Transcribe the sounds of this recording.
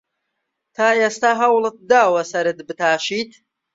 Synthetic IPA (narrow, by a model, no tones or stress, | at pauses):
t̪ʰaːeːst̪aɦɐwlˠɨt̪̚d̪aːwɐsɐɾɨt̪bɨt̪ʰaːʃiːt̪